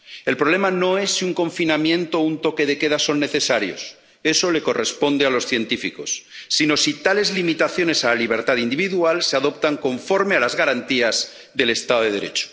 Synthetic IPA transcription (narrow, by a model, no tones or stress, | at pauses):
e̞lpɾo̞β̞le̞mano̞e̞sːiuŋko̞ɱfinamjẽ̞nt̪ount̪o̞ke̞ð̞e̞ke̞ðaso̞nːe̞θe̞saɾjo̞̰s | e̞so̞le̞ko̞respo̞nd̪ealo̞sθjent̪ifiko̞̰sːino̞sit̪ale̞zlimit̪aθjo̞ne̞salaliβ̞e̞ɾt̪aðind̪iβiðualseaðo̞p̚t̪aŋko̞ɱfo̞ɾmealazɣaɾant̪iaz | ðe̞le̞st̪aðoðeðeɾe̞̰t͡ʃo̥